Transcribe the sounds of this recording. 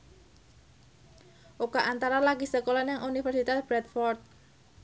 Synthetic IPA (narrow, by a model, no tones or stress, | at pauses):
ʔukaʔant̪aɾalaɡisəkolanaŋʔunifɛrsit̪asb̥ɾɛt̪̚fɔrt̪̚